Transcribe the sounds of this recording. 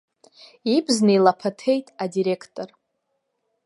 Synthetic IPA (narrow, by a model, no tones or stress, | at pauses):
ibzneilapʰatʰe̞jtʼadiɾekʰtʼor